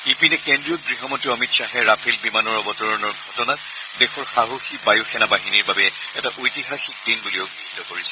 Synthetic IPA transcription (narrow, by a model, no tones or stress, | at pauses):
ipinɛkendɹiɔɡɹiɦɔmɔtiɔmitsaɦɛɹapʰilbimanɔɹɔbɔtɔɹɔnɔɹɡʱɔtɔnat̚ | dɛxɔɹxaɦoxibajuxʰɛnabaɦiniɹbabɛ | ɛtaʔojtiɦaxik̚dinbulioɡɹiɦitɔkoɹisɛ̥